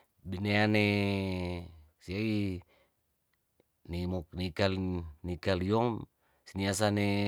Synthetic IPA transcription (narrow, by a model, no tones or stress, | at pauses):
bineane | siai | nimɔk̚nikalnikaliɔŋ | sinias̬ane